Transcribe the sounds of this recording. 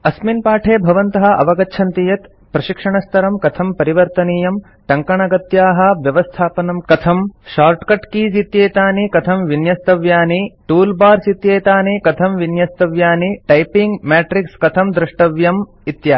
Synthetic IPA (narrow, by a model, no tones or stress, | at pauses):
ɐsminpaːʈʰeːbʱɐʋɐnt̪ɐɦɐ̆ɐ̰ʋɐɡɐt͡ʃʰɐnt̪ijɐt̪ | pɾɐʃikʂɐɳɐst̪ʰɐɾɐmkɐt̪ʰɐmpɐɾiʋɐɾt̪ɐniːjɐm | ʈɐŋkɐɳɐɡɐt̪jaːɦɐ̆ʋjɐʋɐst̪ʰaːpɐnɐmkɐt̪ʰɐmʃaːɾʈkɐʈkiːzit̪jeːt̪aːnikɐt̪ʰɐmʋinjɐst̪ɐʋjaːniʈuːlbaːɾsit̪jeːt̪aːnikɐt̪ʰɐmʋinjɐst̪ɐʋjaːniʈɐjpiŋɡmaːʈɾikskɐt̪ʰɐmd̪ɾuʂʈɐʋjɐm | it̪jaː